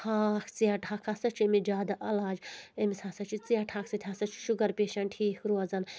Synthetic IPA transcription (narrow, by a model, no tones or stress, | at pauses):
haːkʰt͡sijaʈʰaːkʰasɐt͡ʃʰemid͡ʒaːd̪aʔɐlaːd͡ʒemisasɐt͡ʃʰit͡sijaːʈʰaːksɐt̪ʰʲasɐt͡ʃʰi̥ʃuɡɐɾpeːʃɐnʈʰiːkʰɾuɐzɐn